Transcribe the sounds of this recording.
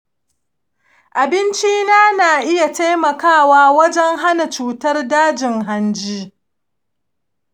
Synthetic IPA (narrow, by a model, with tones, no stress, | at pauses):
ʔa˨bɪ˦nt͡ʃiː˦naː˦naː˨ʔɪ˦ja˨ta˦jmɐ˨kaː˦˨waː˦wɐ˦d͡ʒɛ˦ŋɦa˦na˨t͡ʃuː˨tɐ˦rdaː˦d͡ʒɪ˨ŋɦa˦nd͡ʒiː˦